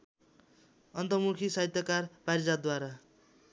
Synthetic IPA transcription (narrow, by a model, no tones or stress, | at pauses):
ʌnt̪ʌmukʰisaɦit̪jʌkarpaɾid͡zad̪waɾa